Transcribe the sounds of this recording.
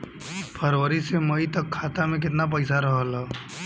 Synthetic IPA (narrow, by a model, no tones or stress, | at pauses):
pʰəɾwəɾiseməit̪ɐkʰːaːt̪amẽk̬ɪt̪nap̬əɪsaɾəɦəla